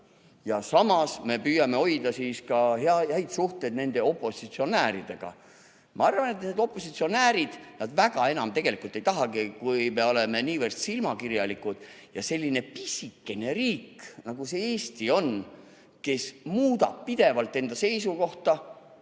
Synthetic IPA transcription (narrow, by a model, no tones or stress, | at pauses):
jɑsɑmɑsme̞pyːjɑme̞o̞jd̪̥ɑsiːskɑɦeɑæjt̪suht̪e̞d̪ne̞nd̪e̞o̞pːˑo̞sit̪sio̞næːɾid̪̥e̞ɡ̥ɑ̰ | mɑɑrvɑne̞t̪ne̞ːd̪̥o̞pːˑo̞sit̪sio̞næːɾid̪̥nɑd̪væɡ̥ɑe̞nɑmt̪e̞ɡ̥e̞likult̪ːˑe̞jt̪ɑɦɑɡikujme̞o̞le̞me̞niːvərd̪̥silmɑkirjɑlikud̪̥ | jɑse̞lʲːine̞pisʲikːe̞neriːknɑɡuse̞eːst̪io̞n | ke̞smuːd̪ɑ̰b̥̚pid̪̥e̞vɑlt̪ːˑe̞nd̪ɑse̞jsuko̞ht̪ɑ